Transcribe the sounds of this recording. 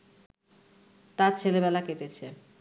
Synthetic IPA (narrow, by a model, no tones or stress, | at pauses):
t̪aɾt͡ɕʰelebɛlaket̪et͡ɕʰe